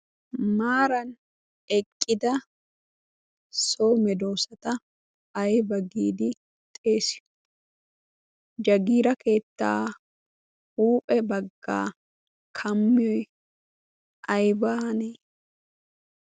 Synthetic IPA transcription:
maːɾɐn | ɛkʼːɪd̪ɐ | soːmɛd̪o̞ːsɐt̪ɐː | jbɐɡiːd̪ɪ | t̪ʼeːsɪ̥ | d͡ʒɐɡiːɾɐke̞ːt̪ːa̰ː | huːpʼɛbɐɡːa̰ː | kʰɐmːɪɔj | ɐjbaɐneː

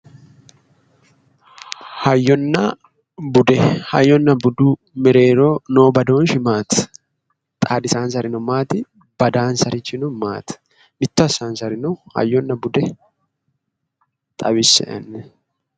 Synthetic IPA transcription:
hɐjːɔnːɐ | bʊd̪ɛhɐjːɔnːɐbʊd̪u | mɪɾe̞ːɾoːno̞ːbɐd̪o̞ːnʃɪmaːt̪ɐ̥ | t̪ʼaːd̪ɪsaːnsɐɾɪnʊmaːt̪ɪ | b̥ɐd̪aːnsɐɾɪt͡ʃːɪnʊma̰ːt̪ɐ̥ | mɪt̪ːʊɐsaːnsɐɾɪnʊhɐ̰jːɔnːɐbʊd̪ɛ | t̪ʼɐβɪsɛ̰ʔɛ̰nːɛ

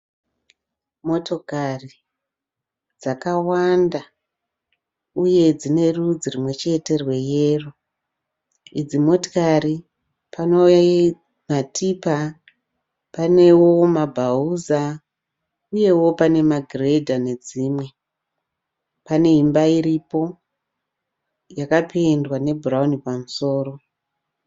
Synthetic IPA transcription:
mo̞to̞kari | d͡zakawanda | uje̞d͡zine̞rud͡zirimwe̞t͡ʃe̞te̞rwe̞jeːro | id͡zimo̞to̥kaɾi | pano̞ja | matipa | pane̞wo̞mabʱauza | uje̞wo̞pane̞maɡʱire̞dʱane̞d͡ziːmwe̞ | pane̞ɦimbaiɾipo̞ | jakapendwane̞bʱuraunipamuso̞ːɾo̞

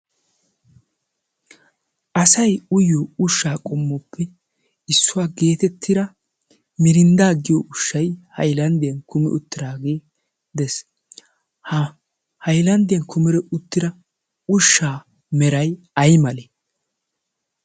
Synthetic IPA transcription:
ʔɐsɐjʊjoʊʃːaːkʼɔmːɔpʰːɛ | ɪsːʊwaːɡe̞ːt̪ɛt̪ʰːɪd̪ɐ | mɪɾɪnd̪aːɡɪjɔʔʊʃːɐjhɐ̰jlɐnd̪ɪjɐnkʊmɛ̰ʔʊt̪ːɪɾaːɡeː | d̪ɛs | hɐjlɐnd̪ɪjɐnkʰʊmɪɾɛʔʊt̪ːɪdɐ | ʊʃːaː | mɛɾɐj | ɐjmɐle

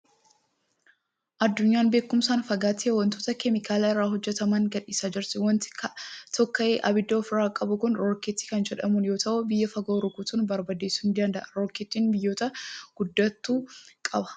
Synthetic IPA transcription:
ʔɐd̪ːʊɲːaːnbe̞ːkʊmsaːnfɐɡaːt̪ɪɐwɐnt̪oːt̪ɐkɛmɪkʰaːlɐɪrːaːɦɔd͡ʒːɛt̪ɐmɐŋɡɐᶑiːsaːd͡ʒɪɾt̪ɪwɐnt̪ɪ̥kɐt̪ɔkːɐeːʔɐbɪd̪ːɐːfɪɾaːkʼɐbʊkʊnɾoːket̪ːɪ̥kɐnd͡ʒɛᶑɐmʊnjo̞ːt̪ɐʔʊbɪjːɐfɐɡoːɾʊkuːt̪unbɐɾbɐd̪eːsʊnd̪ɐnd̪ɐʔɐɾoːkɪt̪ːiːnbɪjːo̞ːt̪ɐɡ̥ʊd̪ːɐt̪ːuːkʼɐbɐ̥

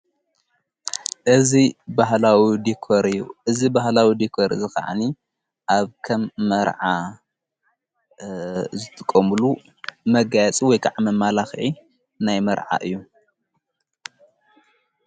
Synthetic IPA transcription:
ʔɨzibahlawid̪ikʰoɾɨjːṵʔɨzibahlawid̪ikʰoɾzɨxa̰ʕa̰ni | ʔaβkʰɐmːɐɾʕa | zɨt̪ʰɨkʼːomulu | mɐɡajɛt͡sʼiwɔjkʰaʕamɐmːalaxʕi | najmɐɾʕa̰ʔɨjːu

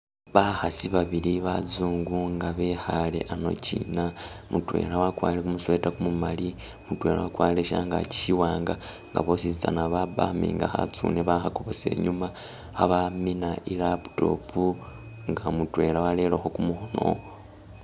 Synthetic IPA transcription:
βaxasiβaβiliβazuːŋɡuŋɡaβe̞xalḛʔano̞̰ciːnamutwe̞̰lawakwaːlekumuswe̞ːtakumumali | mutwe̞ːɾa̰wakwaːleʃa̰ŋɡa̰ci̥ʃiwaːŋɡaŋɡa̰βo̞sit͡sa̰naβaba̰mḭŋɡaxa̰t͡sṵneβaxako̞βo̞se̞̰ːɲuma | xaβaminaʔilaβu̥to̞̰pʰu | ŋɡamutwe̞lawale̞loxokumuxono̞̰

